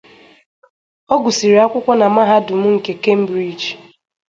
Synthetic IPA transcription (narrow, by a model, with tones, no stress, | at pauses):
o˦ɡʷʊ˨si˨ɾi˨a˦kʷʊ˦kʷɔ˦na˨ma˦ɦa˦dʊ˨m̩˦ŋ̩˨ke˨ke˦m̩˦bɾi˦d͡ʒ